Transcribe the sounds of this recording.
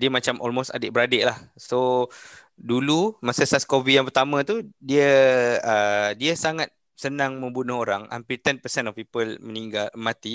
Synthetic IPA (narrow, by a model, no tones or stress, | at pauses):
diəmãt͡ʃamʔɔ̰lmost̪a̰dɪʔbəɾadɪʔlahso | dulumasəsaskovidjaŋpərt̪amãt̪udiəədiəsaŋat̪̚ | sənãŋmə̃mbunəɦoɾaŋa̰mpirt̪ɛnpəsɛnɔfpipəlmə̃niŋɡalmãt̪i